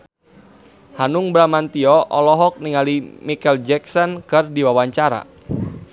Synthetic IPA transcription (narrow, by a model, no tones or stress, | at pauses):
hanuŋbɾamant̪iɔʔɔlɔɦɔk̚niŋalimikɛld͡ʒɛksɔnkɨrdiwawaɲt͡ʃaɾa̰